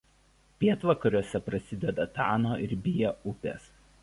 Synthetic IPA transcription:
pʲiɛt̪ʋɐkɐɾʲuɔsʲɛpɾɐsʲɪd̪ʲɛd̪ɐt̪ɑːnoːʔɪɾbʲɪjɛʊpʲḛs

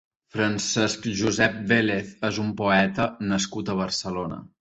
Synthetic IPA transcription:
fɾənsɛskʒuzɛp̚beleθezumpoɛt̪ənəskut̪əβ̞ərsəlonə̰

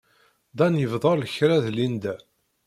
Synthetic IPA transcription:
d̪ɑnjəvðˤɑlləçɾæðlind̪æ

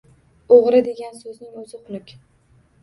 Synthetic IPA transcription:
oʁɾɪd̪e̞ɡʲansɵznɪŋɵzɪqʊnɪkʲ

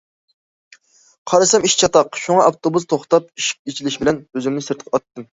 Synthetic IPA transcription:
qʰɑɾɨsɛmiʃt͡ʃʰɑt̪ɑqʃuŋɑɑft̪ʰobus̬t̪ʰoχt̪ɑp̚iʃɪ̥q̚et͡ʃʰilɪʃbɪlɛnbøzɪmnɪsɨɾt̪qʰɑt̪ːɨm

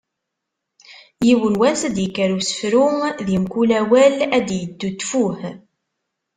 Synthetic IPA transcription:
jiwənwæsæd̪jəkːəɾusə̥fɾuðimkulæwælæd̪jəd̪ːut̪ːfuh

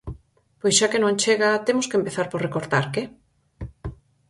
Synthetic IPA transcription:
pojsʃakenõnt͡ʃeɣat̪emʊskempeθaɾpoɾrekoɾt̪aɾke

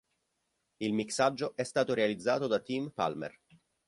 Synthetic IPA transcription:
ilmiksad͡ʒːoʔɛst̪aːt̪oɾealid̪zːaːt̪od̪at̪impa̰lmḛr

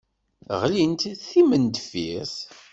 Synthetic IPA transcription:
ʁlint̪iðθimənd̪fiθ

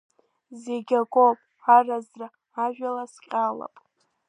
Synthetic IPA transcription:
zeɡʲaɡʷʼopʼ | arazraː | ʒᶣalasqʲʼala̰pʼ

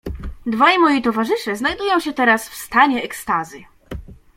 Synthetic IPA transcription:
d̪vajmɔjit̪ɔvaʐɘʂɛznajd̪ujɔ̃w̃ɕɛt̪ɛɾasfst̪aɲɛːkst̪azɘ

